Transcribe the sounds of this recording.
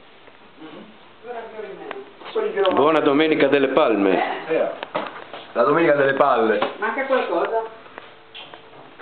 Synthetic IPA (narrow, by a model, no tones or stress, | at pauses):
aomɛkwelːikeɔbwɔːnad̪omeːnikad̪elːepalmḛɛ | lad̪omeːnikad̪elːepalːemaŋkakwalkɔːza